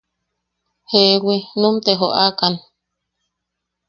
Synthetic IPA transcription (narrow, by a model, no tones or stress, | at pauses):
hewinũmt̪eɦoʔakan